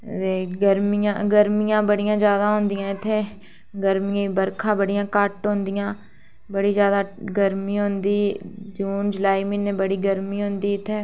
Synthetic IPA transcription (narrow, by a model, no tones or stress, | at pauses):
t̪eːɡəɾmijã̰ːɡəɾmijãːbəɽɪjãːd͡ʒjaːd̪aːɦʊ̃nd̪ijãːɪt̪ʰːeː | ɡəɾmiãːbəɾkʰãːbəɽijãːkəʈɦʊ̃nd̪ijãː | bəɽiːzjaːd̪aːɡəɾmiːɦʊ̃nd̪iːd͡ʒuːnd͡ʒəlaːiːmɪnẽːbəɽiːɡəɾmiːɦõnd̪iːɪt̪ʰːeː